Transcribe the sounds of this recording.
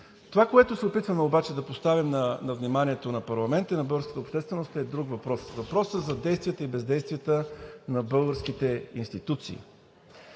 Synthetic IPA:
t̪ovakoɛt̪osɛopit̪vəmɛobat͡ʃɛd̪ɐpost̪avimnɐnɐvnimaniɛt̪onɐpɐɾlˠɐmɛnt̪əinɐbɤlˠɡɾskə̥t̪əopʃt̪ɛst̪vɛnost̪ɛd̪ɾuɡvɐpɾɔsvɐpɾɔsəzɐd̪ɛjst̪vijət̪əibɛzd̪ɛjst̪vʲijət̪ənɐbɤlˠɡəɾskit̪ɛinst̪it̪ut̪sḭː

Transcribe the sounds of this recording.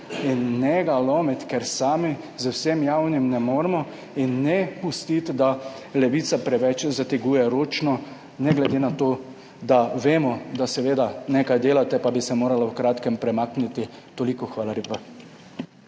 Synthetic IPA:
inːɛɡalɔmit̪kɛɾsaːmi | zəwsemjawnimnɛmoːɾmɔ | inːɛpust̪it̪d̪a | lɛʋiːt̪sapɾɛʋɛt͡ʃzat̪ɛɡuːjɛɾoːt͡ʃnɔ | nɛɡlɛd̪eːnat̪oː | d̪aʋeːmɔd̪asɛʋeːd̪anekajd̪eːlat̪ɛpabisɛmoːɾalawkɾaːt̪kɛmpɾɛmaːknit̪i | t̪olikɔxʋaːlaleːpa

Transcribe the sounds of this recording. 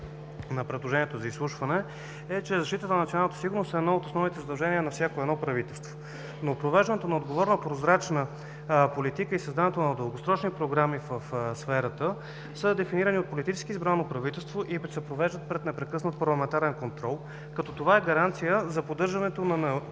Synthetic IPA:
nɐpɾɛd̪lˠoʒɛnʲiɛt̪ozɐislˠuʃvɐnɛ | ɛt͡ʃɛzɐʃt̪it̪ət̪ənnt̪ionalˠnːət̪əsiɡʊɾnost̪ɛd̪naot̪osnɔvnit̪ɛzəd̪ɐlˠʒɛniənɐfsʲjakoɛd̪nɔpɾɐvit̪ɛlˠst̪vo | nopɾovɛʒd̪ənɛt̪onɐod̪ɡovɔɾnəpɾozɾat͡ʃnə | polit̪ikəisɐzd̪anɛt̪onɐd̪əlˠɡosɾɔt͡ʃnipɾoɡɾamivəfsfɛɾət̪ə | səd̪ɛfiniɾəniot̪̚polit̪it͡ʃɛ̥skizbɾanːopɾɐvit̪ɛlˠst̪voʔisɛpɾovɛʒd̪ət̪̚pɾɛt̪nɛpɾɛkɤsnət̪̚pɐɾlˠɐmɛnt̪aɾɛnkont̪ɾɔlˠ | kɐt̪ɔt̪ovaɛɡɐɾant̪sijəzɐpod̪ɤɾʒɐnɛt̪onɐnɐ

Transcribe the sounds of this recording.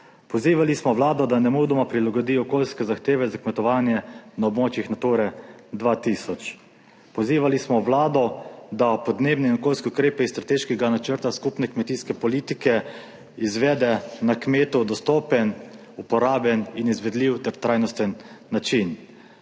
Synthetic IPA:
pɔziːʋalismɔʋlaːd̪ɔd̪anɛmud̪ɔmapɾilaɡɔd̪iːɔkoːlskɛzaxt̪eːʋɛzakmɛt̪ɔʋaːnjɛnaɔbmoːt͡ʃixnat̪uɾɛ | d̪ʋaːt̪isɔt͡ʃ | pɔziːʋalismɔʋlaːd̪ɔd̪apɔd̪neːbnɛinɔkoːlskɛukɾeːpɛisst̪ɾat̪eːʃkɛɡanat͡ʃəɾt̪askupnɛkmɛt̪iːskɛpɔlit̪ikɛ | izʋɛːd̪ɛnakmeːt̪ud̪ɔst̪oːpɛn | upɔɾaːbɛninizʋɛd̪liwt̪ɛɾt̪ɾaːjnɔst̪ənːat͡ʃin

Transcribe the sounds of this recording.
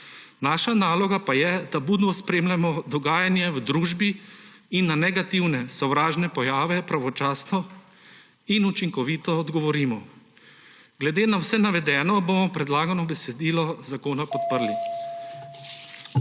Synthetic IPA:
naːʃanaːlɔɡapajɛd̪abuːd̪ʋɔspɾeːmlamɔd̪ɔɡaːjanjɛwd̪ɾuːʒbi | inːanɛɡat̪iwnɛsɔwɾaːʒnɛpɔjaːʋɛpɾaʋɔt͡ʃaːsnɔ | inut͡ʃiŋkɔʋiːt̪ɔːd̪ɡɔʋɔɾiːmɔ | ɡlɛd̪eːnawsɛnaʋɛd̪ɛːnɔbomɔpɾɛd̪laːɡanɔbɛsɛd̪iːlɔzakoːnapɔt̪̚pəɾli

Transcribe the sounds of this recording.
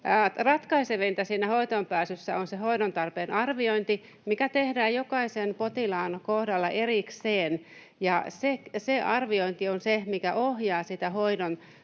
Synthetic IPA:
rɑt̪kɑiseʋint̪æsiːnːæhoit̪ompæːsysːæonsehoidont̪ɑrpeːnɑrʋioint̪i | mikæt̪ehdæːjjokɑisenpot̪ilɑːnkohdɑlːɑʔerikseːn | jɑsekseɑrʋioint̪ionsemikæʔohjɑːsit̪æhoidon

